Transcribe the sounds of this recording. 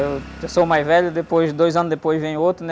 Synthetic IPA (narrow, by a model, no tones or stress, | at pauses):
ewsomajzvɛʎɐd̪epojzd̪ojzɐ̃nʊzd̪epojzvẽɲ̃ʊot̪ɾunɛ